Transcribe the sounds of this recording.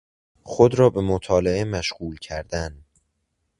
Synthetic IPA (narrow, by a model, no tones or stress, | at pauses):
xod̪ɾɒːbe̞mot̪ʰɒːleʔemæʃɢuːlcʰæɾd̪̥æn